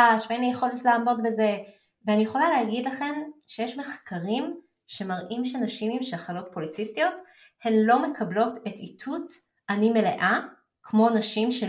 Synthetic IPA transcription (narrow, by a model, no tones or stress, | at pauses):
aʃveenlijeχo̞letleːmo̞tbe̞ze̞ | veanijeχo̞laleaɡidlaχe̞nʃejeʃmeχkaʁim | ʃe̞maʁʔimʃenaʃimimʃelaχalo̞t̚polit͡sistijo̞t | he̞mlo̞me̞kʰablo̞te̞titʰut | ʔanime̞leʔa | kʰmo̞naʃimʃe